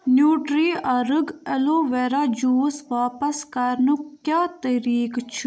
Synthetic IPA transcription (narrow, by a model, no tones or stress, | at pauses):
njuːʈɾiːaɾəɡɛloːʋɛːɾaːd͡ʒuːsʋaːpəskəɾnũkjaːt̪əɾiːkt͡ʃʰ